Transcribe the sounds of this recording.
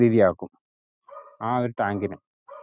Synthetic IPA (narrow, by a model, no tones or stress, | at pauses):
iːðijaːkːum | aːɐɾʈːaːŋɡinɐm